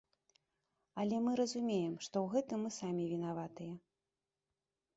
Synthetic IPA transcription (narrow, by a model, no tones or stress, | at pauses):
ɐlʲɛmɨɾɐzumʲejɛmʂt̪ɔwɣɛt̪ɨmːɨsamʲivʲinavat̪ɨjɐ